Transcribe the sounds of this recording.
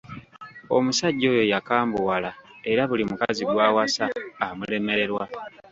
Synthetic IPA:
o̞̰musaɟːo̞ːjo̞jakaːmbuwalae̞ɾaβulimukaziɡwaːwasaːmule̞me̞ɾe̞ɾwa

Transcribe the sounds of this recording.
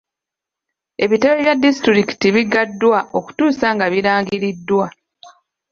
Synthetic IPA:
e̞βite̞βeβjadːistiɾiki̥tiβiɡadːwaʔo̞ku̥tuːsaŋɡaβiɾaːŋɡiɾidːwa

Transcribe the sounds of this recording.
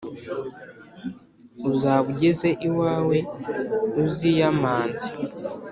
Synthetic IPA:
uzaːβuɟezeʔiwaːwe̞ | uzijamaːnzi

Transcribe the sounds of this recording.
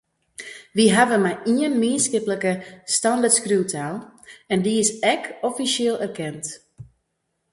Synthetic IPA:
ʋiɦaʋəmajiənmiənskɪpləkəstandərtskruwtʰaːlˠɛndiɪsɛkɔfisjeːlˠɛrkɛnt

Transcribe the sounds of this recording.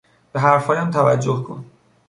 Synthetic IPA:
b̥eɦæɾfɒːjæmt̪ʰævæd͡ʒːohkʰo̰n

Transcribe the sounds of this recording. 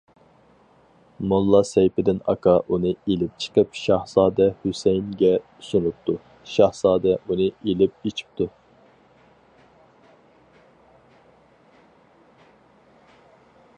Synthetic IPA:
mulˠːɑsɛjpɪd̪ɪnɑ̰kʰɑʔunɨelɪp̚t͡ʃʰə̥qʰəpʃɑhzɑːd̪ɛhusɛjnɡʲɛ | sunɨp̚t̪u | ʃɑhz̥ɑːd̪ɛunɨelɪp̚et͡ʃʰi̥p̚t̪ʰu

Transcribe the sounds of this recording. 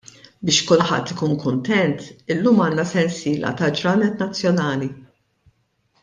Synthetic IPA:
bɪːʃkʊlħɐ̰t̪ːɪkuːnkʊnt̪ɛnt̪ɪlːuːmɐːnːɐsɛnsiːlʔɐ̰t̪ɐd͡ʒɾɐːnɛt̪nɐt͡sːjɔnɐːli

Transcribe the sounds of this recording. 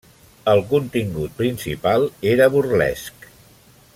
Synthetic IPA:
əlˠkunt̪iŋɡut̪̚pɾinsḭpalˠeɾəβurlɛ̰sk

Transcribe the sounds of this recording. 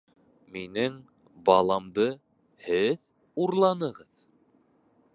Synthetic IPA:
minɘŋ | bɑlˠɑmd̪ɤ | hɘð | uɾlˠɑnɤʁɤð

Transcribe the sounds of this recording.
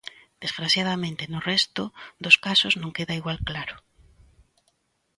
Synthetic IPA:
d̪̥esfɾasjaðamẽnt̪enʊrɛst̪ʊðoskasʊznõŋkeðaiɣwalklaɾʊ

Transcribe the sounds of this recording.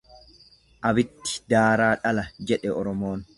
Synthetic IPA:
ʔɐbɪt̪ːɪ̥d̪aːɾaːᶑɐlɐd͡ʒɛᶑɛɔɾɔmoːn

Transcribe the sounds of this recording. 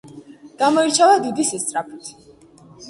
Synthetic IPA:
ɡ̥amɔiɾt͡ʃʰavad̪id̪isist̪sʼɾapʰit̪ʰ

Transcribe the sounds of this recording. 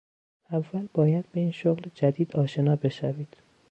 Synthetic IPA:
ævːælbɒːjæd̪̚be̞iːnʃoɣld͡ʒæd̪iːd̪ɒːʃe̞nɒːbe̞ʃæviːd̪̥

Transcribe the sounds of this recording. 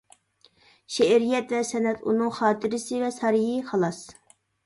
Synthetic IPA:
ʃeɾijɛt̪vɛsɛnɛt̪ṵnɨŋχɑːt̪ʰɨɾɪsɨvɛsɑɾijiχɑlˠɑs

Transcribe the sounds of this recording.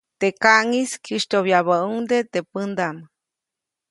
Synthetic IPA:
t̪ekaʔŋiskʰiʃt̪oβjaβəuŋd̪et̪epɨnd̪am

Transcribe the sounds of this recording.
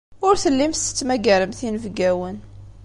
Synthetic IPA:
ʊɾθəlːimst̪ə̥t͡sːmæɡæɾəmθinəvɡæwən

